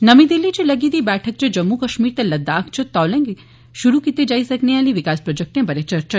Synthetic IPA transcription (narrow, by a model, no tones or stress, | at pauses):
nəmid̪ilːit͡ʃeləɡid̪ibɛʈʰək̚t͡ʃed͡ʒəmːukəʃmiɾt̪eləd̪akʰt͡ʃʰot̪ɔlẽŋɡ | ʃuɾukit̪ed͡ʒaisəknealiʋikaspɾod͡ʒək̚ʈnẽbəɾet͡ʃəɾt͡ʃə